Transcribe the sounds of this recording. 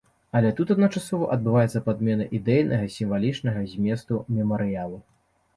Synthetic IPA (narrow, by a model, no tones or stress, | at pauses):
ɐlʲɛt̪ut̪ɐd̪nɐt͡ʂasɔvɐʔɐd̪̚bɨvajɛt̪sːɐpad̪̚mʲɛnɐʔid̪ɛjnʔɐɣɐsʲimvalʲit͡ʂnɐɣɐzʲmʲɛst̪umʲɛmɐɾɨjalˠu